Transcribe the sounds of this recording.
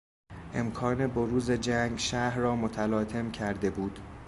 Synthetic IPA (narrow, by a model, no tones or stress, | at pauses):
ʔe̞mkʰɒːne̞boɾuːze̞d͡ʒæŋɡʃæhɾɒːmot̪ʰælɒːt̪ʰe̞mcʰæɾd̪e̞buːd̪̥